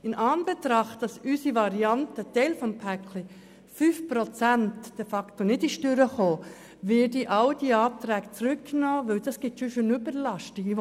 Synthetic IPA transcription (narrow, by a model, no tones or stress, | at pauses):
ɪnʔɑːnbet̪ɾɑχtd̥ɑsysivɑɾiɑntətɛɪlfɔmpʰækli | fyːfpɾot͡sæntd̥efɑktonɪdɪʃtʏɾəχoː | vɪdiʔɑʊd̥iɑːp̚t̪ɾɛːɡt͡sɾʏkːnoːʋɪld̥ɑsɡ̥ɪt̪ʃoʃønybəɾlɑʃti